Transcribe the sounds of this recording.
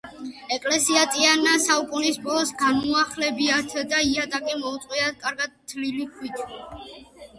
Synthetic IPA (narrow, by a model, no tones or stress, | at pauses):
ɛkʼlɛsiat̪ʼianasaukʼunispʼɔlˠɔsɡanuaχlɛbiat̪ʰd̪aiat̪ʼakʼimɔut̪sʼqʼwiat̪̚ʰkʼaɾɡad̪̚t̪ʰlilikʰwit̪ʰ